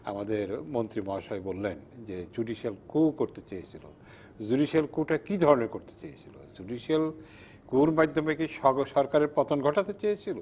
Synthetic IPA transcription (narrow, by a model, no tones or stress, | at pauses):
a̰mad̪eɾmont̪ɾimɔɦaʃɔebolːend͡ʑed͡ʑuɖiʃelkukoɾt̪et͡ɕejet͡ɕʰilo̰ | d͡ʑuɖiʃelkuʈakid̪ʱɔɾonekoɾt̪e̥t͡ɕejet͡ɕʰilo̰d͡ʑuɖiʃel | kuɾmad̪ʱːomekiʃɔʃɔɾkaɾeɾpɔt̪onɡʱɔʈat̪et͡ɕejet͡ɕʰilo